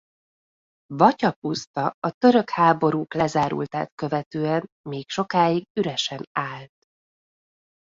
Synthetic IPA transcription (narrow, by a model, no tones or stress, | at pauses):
vɒcɒpust̪ɒɒt̪ø̞ɾø̞khaːbo̞ɾuːklɛzaːɾṵlt̪aːt̪kø̞vɛt̪øːɛm | meːkʃo̞kaːiɡyɾɛʃɛnaːlt̪